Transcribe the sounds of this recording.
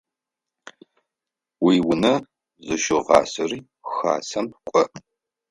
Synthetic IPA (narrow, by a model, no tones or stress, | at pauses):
wiːwʊnɐ | zɨʃɪʁɑ̰ːsɐriː | xa̰ːsɐmp̚kʷʼɔ